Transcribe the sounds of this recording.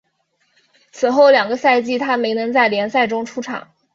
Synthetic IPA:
t͡sʰɹ̩˨˩xo˥˩ʊljɑ˨˩ŋɡə˧˦sa˥˧ɪt͡ɕi˥˩t̪ʰa˥me˧˥ɪnɤ˧˥ŋt͡sa˥˩ɪljɛ˧˥nsa˥˩ɪʈ͡ʂʊ˥ŋʈ͡ʂʰu˥ʈ͡ʂʰɑ̰˨˩˦ŋ

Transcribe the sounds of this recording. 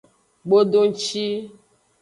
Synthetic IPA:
ɡ͡bo˦ɖo˦ŋ̩˦t͡ʃi˦

